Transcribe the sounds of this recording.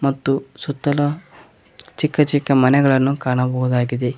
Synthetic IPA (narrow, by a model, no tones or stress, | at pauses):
mɐt̪ːusut̪ːɐlɐ | t͡ʃikːɐt͡ʃikːɐmɐnɛɡɐɭɐnːukaːɳɐbɐɦud̪aːɡid̪e